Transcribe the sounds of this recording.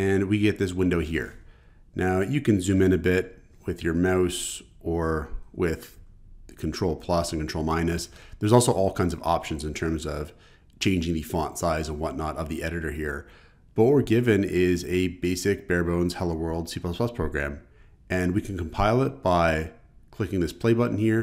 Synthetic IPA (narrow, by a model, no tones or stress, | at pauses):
ɨ̃nwiɡɛt̪̚ðɪs̬wɪ̃ndoʊɦḭɹ | nʔaʊjɨkɨ̃nzʉ̃mɨ̃ñɨbɪt̚ | wɪðjə˞maʊs | ə˞wɪð̥kʰntʰɹ̥oʊlˠpʰl̥ʌsn̩kntʰɹoʊlˠmãɪ̃nɨsðə˞zɔlˠsoʊʔɔlˠkʰãɪ̃nzʌvɑ̰pʃɨ̃n̩zɨ̃ntʰɜ̃˞mzʌv̥ | t͡ʃʰẽɪ̃nd͡ʒɪ̃ŋðɨfɑ̃ntsaɪzə̃nwʌtⁿnəɾʌvðiʔɛɾɨɾə˞ɦiɹ | b̥ʌt̚wə˞ɡɪvɨ̃nɪzɨbeɪsɨk̚b̥ɛɹbõʊ̃nz̥hɛlˠoʊwɜ˞lˠd̥sipʰʌspʰl̥ʌspʰɹ̥oʊɡɹæ̰̃m | ɨ̃nwikʰn̩kʰm̩pʰaɪlˠɪt̚b̥aɪ | kʰl̥ɪkɪ̃ŋðɪspʰl̥eɪbʌʔn̩hiɹ